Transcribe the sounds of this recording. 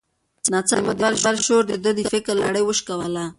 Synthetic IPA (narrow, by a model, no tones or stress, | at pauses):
nat͡samad̪aɾʃaɾʃoɾd̪əd̪əd̪əfɪkɾlaɽəjwəʃkawala